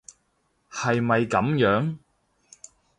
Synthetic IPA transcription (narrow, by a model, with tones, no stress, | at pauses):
hɐ˨jmɐ˨jkɐ˨˥mjœː˨˥ŋ